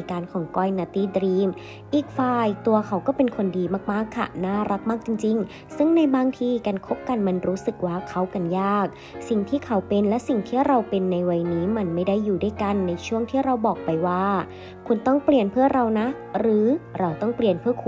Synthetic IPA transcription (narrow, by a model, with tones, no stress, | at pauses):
kaː˧nkʰɔː˨˩˦ŋkɔː˥˩jnaː˧˩t̪iː˧˥˩dɾiː˧m | ʔiː˨˩k̚faː˨˩jt̪u˧ɐkʰa˨˦˥wkɔː˥˩pe˧nkʰo˧ndiː˧maː˥˩k̚maː˥˩kʰːa̰˧˩naː˥˩ɾa˦˥k̚maː˥˩k̚t͡ɕi˧ŋt͡ɕi˧ŋ | sɯ˥˩ŋna˧jbaː˧ŋt̪ʰiː˧ka˧nkʰo˦˥p̚ka˧nma˧nɾuː˦˥sɯ˨˩k̚waː˥˩kʰa˦˥wka˧njaː˥˩k̚ | si˨˩ŋt̪ʰiː˥˩kʰa˦˥wpe˧nlɛ˦˥si˨˩ŋt̪ʰiː˥˩ɾa˧wpe˧nːa˧jwa˧jniː˦˥ma˧nma˥˩jda˥˩jːuː˨˩du˦˥˩jka˧nːa˧jt͡ɕʰu˥˩əŋt̪ʰiː˥˩ɾa˧wbɔː˨˩k̚pa˧jwaː˥˩ | kʰu˧nt̪ɔ˥˩ŋpli˨˩ənpʰɯ˥˩ɐɾa˧wna˦˥ | ɾɯː˩˦ɾa˧wt̪ɔ˥˩ŋpli˨˩ənpʰɯ˥˩ɐkʰu˧